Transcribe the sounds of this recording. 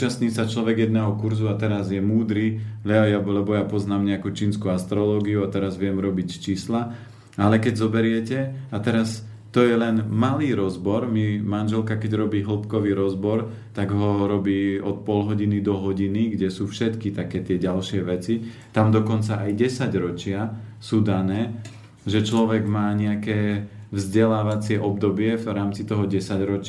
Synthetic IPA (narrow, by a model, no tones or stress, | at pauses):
t͡ʃast̪ɲiːsat͡ʃlɔʋɛɡjɛd̪nɛːɦɔkuɾzuat̪ɛɾazjɛmuːd̪ɾiːlɛjablɛbɔjapɔznaːmɲɛakuːt͡ʃiːnskuast̪ɾɔlɔːɡiuat̪ɛɾazʋɪɛmɾɔbicst͡ʃiːsla | alɛkɛɟzɔbɛɾɪɛcɛat̪ɛɾas | t̪ɔjɛlɛnmaliːɾɔzbɔɾmimanʒɛlkakɛɟɾɔbiːɦl̩ˠpkɔʋiːɾɔzbɔɾ | t̪aɡɦɔɾɔbiːɔt̪̚pɔlɦɔɟinid̪ɔɦɔɟiniɡɟɛsuːfʃɛt̪kit̪akɛːt̪ɪɛɟalʃɪɛʋɛt͡si | t̪amd̪ɔkɔnt͡saʔajɟɛsaɟɾɔt͡ʃɪasuːd̪anɛː | ʒɛt͡ʃlɔʋɛɡmaːɲɛakɛːvzɟɛlaːʋat͡sɪɛʔɔb̚d̪ɔbɪɛvɾaːmt͡sit̪ɔɦɔɟɛsaɟɾɔt͡ʃ